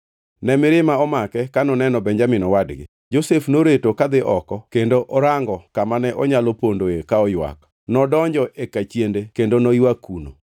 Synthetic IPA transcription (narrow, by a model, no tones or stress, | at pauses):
nɛmɪɾɪmaɔmakɛkanɔnɛnɔbɛɲd͡ʒamɪnɔwadɡɪ̰ | d͡ʒosefnoɾetokad̪ɪʔɔkɔkendoʔɔɾaŋɡɔkamanɛʔɔɲalopondoekaɔjwa̰k | nɔdɔɲd͡ʒɔʔekat͡ʃjendekendonojwakuno̰